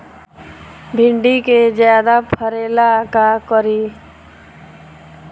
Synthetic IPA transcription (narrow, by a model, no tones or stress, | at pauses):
bʱɪɳɖiked͡ʒjaːd̪apʰəɾeːlakakəɾiː